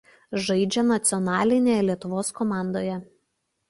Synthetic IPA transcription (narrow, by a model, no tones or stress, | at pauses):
ʒɐɪd͡ʒʲɛnɐt̪sʲɪɔnɑːlʲɪnʲejɛlʲiɛt̪ʊʋoːskɔmɑˑnd̪oːjɛ